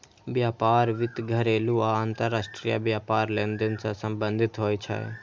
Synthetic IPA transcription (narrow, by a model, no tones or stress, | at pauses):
ʋjaːpaːɾʋɪt̪ɡʱəɾeːluaaːnt̪əɾːaːsʈɾija̰ʋjaːpaːɾleːnd̪ənsãsə̃mbə̃nd̪ʱɪt̪ɦoːjt͡ʃʰə̰